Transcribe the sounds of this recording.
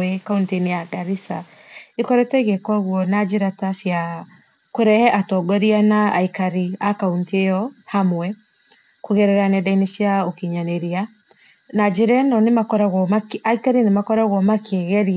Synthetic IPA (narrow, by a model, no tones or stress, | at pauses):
ɛkauntinejaɡaɾisa | ekɔɾɛtɛɣɛkwaɣwɔnad͡ʒeɾataʃia | koɾɛhɛʔatɔɡɔɾianaaikaɾiakaunteɔhamwɛ | kuɣɛɾɛɾanɛdaineʃiaokiɲaneɾia | nad͡ʒiɾɛnɔnemakɔɾaɣɔmaaikaɾinemakɔɾaɣwɔmakʰeɣɛɾi